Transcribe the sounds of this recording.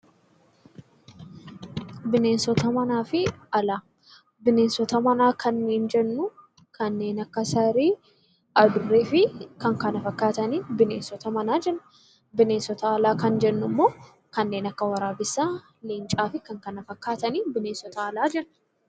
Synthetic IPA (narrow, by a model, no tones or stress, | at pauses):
bɪne̞ːnsɔt̪ɐmɐnaːfɪɐlaː | bɪne̞ːnsɔt̪ɐmɐnaːkʰɐnːeːnd͡ʒɛnːʊ | kɐnːe̞ːnɐkːɐsɐɾiː | ʔɐd̪ʊrːeːfɪkɐŋkɐnɐfɐkːaːt̪ɐniːbɪne̞ːnsɔt̪ɐmɐnaːd͡ʒɛnːʊ̥ | bɪne̞ːnsɔt̪ɐːlaːkɐnd͡ʒɛnːʊmːo̞ː | kɐnːe̞ːnɐkːɐwɐɾaːbɪsːaː | lint͡ʃʼaːfɪkɐŋkɐnɐfɐkːaːt̪ɐniːbɪneːnsɔt̪ɐːlaːd͡ʒɛnːʊ̥